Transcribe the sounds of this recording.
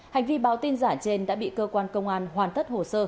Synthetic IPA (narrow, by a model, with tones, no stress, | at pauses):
ha˨˩jŋ̟vi˧ɓaː˧˩˦wt̪i˧nzaː˧˩t͡ɕe˧nɗa̰ː˧˥ɓḭ˧˨kəː˧kwaː˧nkə˧wŋ͡mʔaː˧nhwaː˨˩nt̪ʰə˦˥t̚ho˨˩səː˧